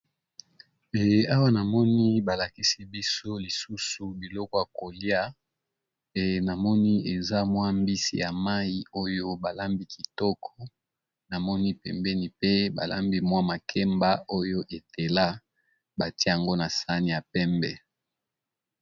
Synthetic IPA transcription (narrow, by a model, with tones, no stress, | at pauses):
e˨a˦wa˦na˨mɔ˦ni˦ba˨la˨ki˦si˦bi˦so˦li˨su˦su˨bi˨lɔ˦kɔ˦ja˨ko˨li˦a˦ | e˨na˨mɔ˦ni˦e˨za˦mwa˦mbi˦si˦ja˨ma˦i˦o˦jo˦ba˨la˦mbi˦ki˨tɔ˦kʰɔ̥˦ | na˨mɔ˦ni˦pɛ˨mbɛ˦ni˨pe˦ba̰˨la̰˦mbi˦mwa˦ma˨kʰe˦mba˦o˦jo˦ʔe˨te˨la˦ | ba˨ti˦ja˨ŋɡo˦na˨sa˦ni˨ja˨pɛ˦mbɛ˨